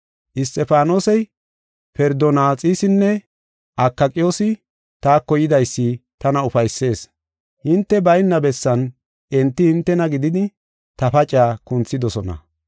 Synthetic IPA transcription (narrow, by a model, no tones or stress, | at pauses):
ʔɪst̪ʼɛfaːnoːsɛj | fɛɾd̪ɔnaːt͡sʼiːsɪnːɛ | ʔɐkːɐkʼɪjo̞ːsɪ | t̪aːkːɔjɪd̪ɐjsːɪt̪ɐnɐʊfɐjsːe̞ːs | hɪnt̪ːɛbɐjnːɐbɛsːɐn | ʔɛnt̪ːɪhɪnt̪ːɛnɐɡɪd̪ɪd̪ɪ | t̪ɐfɐt͡ʃʼːaːkʊnt͡sːɪd̪ɔsɔnɐ̰